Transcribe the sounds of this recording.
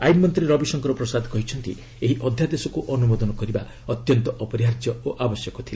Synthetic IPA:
ajmːɔnt̪ɾiɾɔbisɔŋkɔɾɔpɾɔsad̪ʱkɔɦit͡ʃʰɔnt̪ḭ | eɦiʔɔd̪ʱjad̪esɔkuʔɔnumod̪ɔnɔkɔɾiba | ɔt̪jɔnt̪ɔʔɔpɔɾjaɾd͡ʒjɔoʔabɔsjɔkɔt̪ʰila

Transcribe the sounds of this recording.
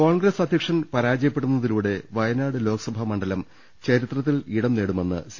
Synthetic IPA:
koːɳɡrɐsɐd̪ʱjɐkʂɐnpɐɾaːd͡ʑɐjɐpːeɽunːɐðiluːɽe̞ʋɐjɐnaːɽɨlo̞ːkɐ̥sɐbʱɐmɐɳɖɐlɐm | t͡ɕɐɾit̪rɐt̪̬ːiliɽɐmneːɽume̞nːɨ̰s

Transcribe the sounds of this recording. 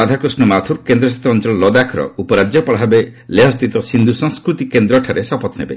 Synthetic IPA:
ad̪ʱakɾusnɔmat̪ʰuɾkend̪ɾɔsat̪ːɾɔnt͡ʃɔlɔlɔd̪akʰɾɔ̰upɔɾad͡ʒjɔpɔɭɦabeleɦɔst̪it̪ɔsind̪ʱusɔŋskɾut̪ikend̪ɾɔʈʰaɾesɔpɔt̪nḛbḛ

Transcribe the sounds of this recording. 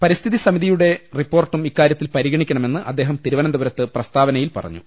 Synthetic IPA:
pɐɾist̪ʰiðisɐmiðijuɽe̞ripːoːrʈːumikːaːɾjɐt̪ːilpɐɾiɣɐɳikʲːɐɳɐme̞nːɨʔɐd̪ːe̞ːɦɐmt̪iɾuʋɐnɐmd̪ɐʋɐɾɐt̪ːɨprɐst̪aːʋɐnɐjilpɐ̰rɐ̰ɲːṵ

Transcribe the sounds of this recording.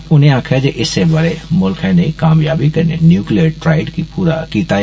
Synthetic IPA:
ʊnẽaːkʰjad͡ʒeʔɪsebaːɾemʊlkɛ̃ːnekaːmjaːbikɐɾnenjuːklijəɾʈɾaːɪɖkipuːɾakiːt̪aɦ

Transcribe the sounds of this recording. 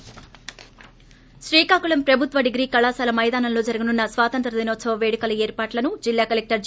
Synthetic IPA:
ʃɾiːkaːkuɭɐmpɾɐbʱut̪ʋɐɖiɡɾiːkɐlaːsaːlɐmɐjd̪aːnɐnlo̞ːd͡ʒɐɾɐɡɐnunːɐsʋaːt̪ɐnt̪ɾɐd̪inoːt̪sɐʋɐʋeːɽikɐlɐeːɾpaːʈlɐnud͡ʒilːaːkɐlek̚ʈɐɾd͡ʒ

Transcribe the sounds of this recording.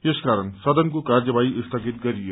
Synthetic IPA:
eskaɾʌnsʌd̪ʌnkokard͡zʌbaiist̪ʰʌɡit̪ɡʌɾijo

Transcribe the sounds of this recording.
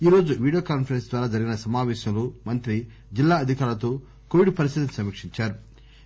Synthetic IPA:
iːɾo̞ːd͡ʒuʋiːɽijoːkaːnpʰɐɾensd̪ʋaːɾaːd͡ʒɐɾiɡinɐsɐmaːʋɛːʃɐmlumɐnt̪ɾi | d͡ʒilːaːɐd̪ʱikaːɾlɐt̪o̞ː | koʋiɖpɐɾist̪it̪ɐmsɐmiːkʂiɲt͡ʃaːɾu

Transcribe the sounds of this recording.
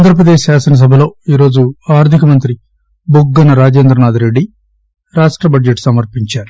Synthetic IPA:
and̪ɾɐpɾɐd̪e̞ːʃsaːsɐnɐs̬ɐbʱɐlo̞ːiːɾo̞ːd͡ʒuaːɾd̪ʱikɐmɐnt̪ɾi | buɡːɐnɐɾaːd͡ʒeːnd̪ɾɐnaːd̪iɾe̞ɖːi | ɾaːʂʈɾɐbɐd͡ʒeʈːsɐmɐɾpiɲt͡ʃaːɾu

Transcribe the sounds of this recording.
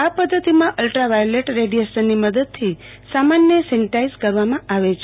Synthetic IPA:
apəd̪ʱːət̪imãʔəlʈɾaʋajoleʈɾeɖieʃənːiməd̪əd̪̚t̪ʰi | samanjəsɛnʈaizkəɾʋamãʔaʋet͡ʃʰ

